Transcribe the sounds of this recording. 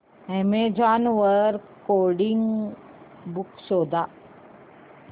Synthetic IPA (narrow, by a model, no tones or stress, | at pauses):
ɛmed͡ʒaːnʋəɾkkoːɾɖɪŋɡ | bʊksoːd̪aː